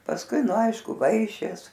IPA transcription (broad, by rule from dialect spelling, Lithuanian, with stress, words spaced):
pɐsˈkʊɪ ˈnʊ ˈɐɪʃkʊ ˈʋɐɪʃʲeːs